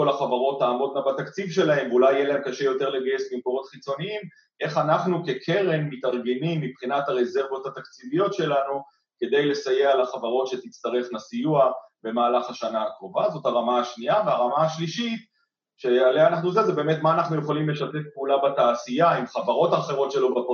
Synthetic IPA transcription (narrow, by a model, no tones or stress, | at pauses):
ko̞laχavaʁo̞taːmo̞t̚ɡabat̪akt͡sivʃe̞lahe̞mvulajːelaɦemkaʃejo̞teʁle̞ɡaje̞smimkoʁo̞tχit͡so̞niim | ʔe̞χanaχnuke̞kʰe̞ʁenmitaʁɡe̞nimːipχinataʁeze̞ʁvo̞t̪hat̪akt͡sivijo̞tʃe̞lanu | ke̞d̪ejle̞saje̞alaχavaʁo̞tʃet̪it͡st̪aʁe̞χnasijuabe̞maːlaχhaʃanaakʁo̞vazo̞taʁamaːʃniaveaʁamaaʃliʃit | ʃe̞aleanaχnuzezebe̞ːmetmaːnaχnuje̞χalimle̞ʃatefpeulabataːsijaimχavaʁo̞taχe̞ʁo̞tʃe̞lo̞bap